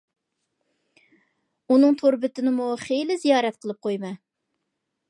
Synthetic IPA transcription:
unɨŋt̪ʰoɾbɪt̪ɪnɪmuχejlɪzijɑːɾɛt̪qʰəlˠɨp̚qʰojmɨ

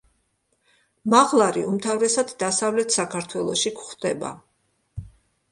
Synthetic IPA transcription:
maʁlˠaɾiumt̪ʰavɾɛsad̪d̪asavlɛt̪ʰsakʰaɾt̪ʰwɛlˠɔʃikʰχd̪ɛba̰

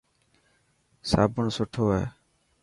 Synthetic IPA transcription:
saːbʱəɳsoʈʰoːɦḛː

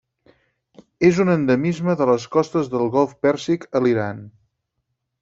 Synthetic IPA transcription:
ezunənd̪əmizməðələskɔst̪əzðəlˠɣɔlˠfpɛɾsikəliɾan

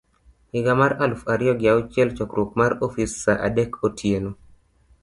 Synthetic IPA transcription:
ɪɡamaɾalfaɾɪjɔɡjaʊt͡ʃjɛlt͡ʃɔkɾukmaɾofisaʔa̰dɛkʰotʰjeno

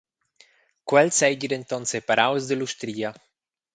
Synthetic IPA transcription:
kwɛlsɛjɟid̪ent̪ɔnsepaɾawzd̪iluʃt̪ɾiːa

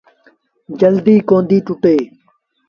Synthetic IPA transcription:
d͡ʒəld̪iːkõːnd̪iːʈʊʈeː

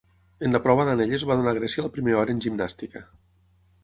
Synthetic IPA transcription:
enləpɾɔβəðaneʎezβaðunaɣ̞ɾɛsiəlpɾimeɾɔɾəːnʲʒimnast̪ikə

